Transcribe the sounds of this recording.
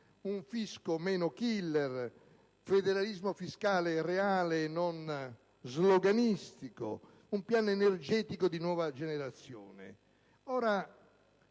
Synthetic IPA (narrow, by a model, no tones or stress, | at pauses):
uɱfiskomɛːnokilːɛr | fɛd̪ɛɾalizmofiskaːlerɛaːlenːon | zlɔɡanist̪iko̰ | umpjanɛnerd͡ʒɛːt̪ikod̪inwɔːvad͡ʒɛnɛɾat̪sːjɔ̰ːnɛ̰ | ɔːɾa